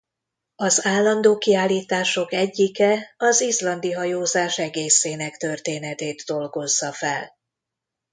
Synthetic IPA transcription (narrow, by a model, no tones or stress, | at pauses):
ɒzaːlːɒnd̪oːkiaːlːiːt̪aːʃo̞kɛɟːikɛɒzislɒnd̪iɦɒjoːzaːʃɛɡeːseːnɛkt̪ø̞rt̪eːnɛt̪eːd̪ːo̞lɡo̞zːɒfɛl